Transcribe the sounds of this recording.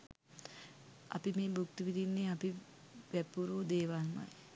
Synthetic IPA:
ɐ̰pimeːbukt̪iʋid̪inːeapi | ʋæpuɾuːd̪eːʋanma̰j

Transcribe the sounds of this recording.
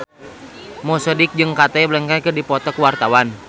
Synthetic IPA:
mɔsɔdɪk̚d͡ʒɨŋkat̪ɛblɛŋkakɨrdipɔt̪ɔkuwart̪awan

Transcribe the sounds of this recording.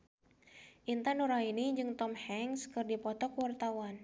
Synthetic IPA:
ʔint̪anuɾainiɲd͡ʒɨŋt̪ɔmhɛŋskɨrdipɔt̪ɔkwart̪awan

